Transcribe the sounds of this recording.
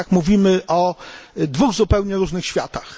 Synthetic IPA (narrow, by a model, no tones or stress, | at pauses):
akmuvʲimɘʔɔd̪vuɣzupɛwɲɛɾuʐnɘxɕfʲja̰t̪ax